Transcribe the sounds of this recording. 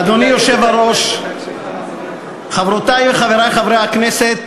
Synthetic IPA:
ad̪onijoʃevaɾo̞ʃ | χavɾot̪ajveχaveɾajχavɾejhakneset̪̚

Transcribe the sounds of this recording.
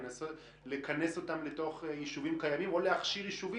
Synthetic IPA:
naso | lekane̞so̞tamleto̞χjiʃuvimkajamimo̞leaχʃiʁjiʃuvi

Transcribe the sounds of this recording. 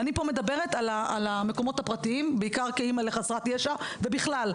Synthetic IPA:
anipo̞med̪abe̞ʁet̪alaalame̞ko̞mo̞thapʁatiimbeikaʁkeimale̞χasʁatjeʃavebiχlal

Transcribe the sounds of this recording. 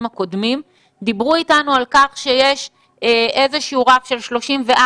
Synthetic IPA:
mako̞d̪mim | d̪ibʁuitanualkaχʃejeʃ | ʔe̞zeʃiuʁafʃe̞lʃlo̞ʃimveʔa

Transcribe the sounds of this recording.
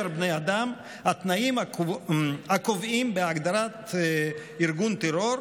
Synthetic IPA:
eɾbnejad̪am | hat̪naima | hakovimbeaɡd̪aɾat̪ | iɾɡunt̪eɾoɾ

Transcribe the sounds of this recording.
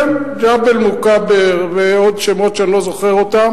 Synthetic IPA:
d͡ʒabelmukabeʁveod̪ʃemot̪ʃeanlozoχeʁot̪am

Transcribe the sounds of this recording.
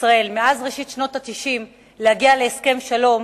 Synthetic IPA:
sʁae̞lmeʔazʁeʃit̪ʃno̞tat̪iʃim | lehaɡiale̞ːske̞mʃalo̞m

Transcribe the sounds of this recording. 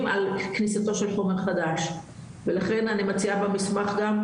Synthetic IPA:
malknisat̪o̞ʃe̞lħo̞meʁχad̪aʃ | velaχe̞nanimat͡siabamismaχɡam

